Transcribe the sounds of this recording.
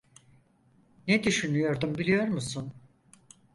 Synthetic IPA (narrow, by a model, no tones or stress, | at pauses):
ned̪yʃynyjo̞ɾd̪umbilʲijo̞ɾmusun